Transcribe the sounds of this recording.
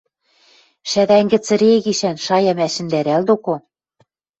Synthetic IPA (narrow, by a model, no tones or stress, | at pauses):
ʃæðæŋɡɘ̆t͡sɘ̆ɾeɣiʃænʃɑjɑmæʃɘ̆nd̪æɾæld̪oko